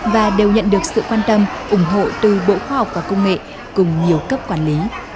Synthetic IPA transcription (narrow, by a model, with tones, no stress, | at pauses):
vaː˨˩ɗe˨˩wɲə̰˧˨nɗɨ˨˩ək̚sɨ̰˧˨kwaː˧nt̪ə˧mʔʊ˨˧˩ŋ͡mɦo̰˧˨t̪ɨ˨˩ɓo̰˧˨xwaː˧ha˨˩wk͡p̚vaː˨˩kə˧wŋ͡mŋḛ˧˨ | kʊ˨˩ŋ͡mɲi˨˩əwkə˦˥p̚kwaː˧˩nli˨˦